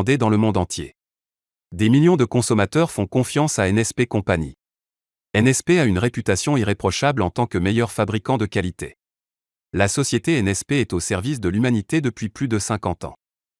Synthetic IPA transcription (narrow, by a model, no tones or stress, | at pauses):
d̪ed̪ɑ̃ləmɔ̃d̪ɑ̃t̪jḛ | d̪emiljɔ̃d̪əkɔ̃sɔmat̪œʁfɔ̃kɔ̃fjɑ̃saɛnɛspekɔ̃paɲi | ɛnɛspeaynʁepyt̪asjɔ̃iʁepχɔʃablɑ̃t̪ɑ̃kəmejœʁfabʁikɑ̃d̪əkalit̪e | lasɔsjet̪eɛnɛspeɛt̪osɛʁvis̬d̪əlymanit̪ed̪əpɥiplyd̪əsɛ̃kɑ̃t̪ɑ̰̃